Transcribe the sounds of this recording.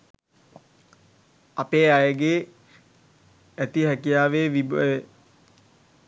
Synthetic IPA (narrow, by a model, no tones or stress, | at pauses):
apeːajəɡeː | æt̪iɦækijaːʋeːʋibe